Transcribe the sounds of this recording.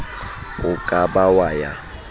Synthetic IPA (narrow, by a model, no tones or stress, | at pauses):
ʊkʼabawaja